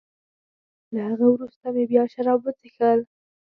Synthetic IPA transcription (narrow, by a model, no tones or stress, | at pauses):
lahaɣəwɾust̪amebjɑʃaɾɑbwət͡sexəl